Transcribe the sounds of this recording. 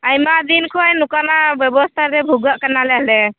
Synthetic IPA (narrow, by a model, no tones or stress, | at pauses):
ajmad̪inkʰɔjnukanabjɛbɔst̪ʰaɾɛbʱuɡəʔkanalɛɦlɛ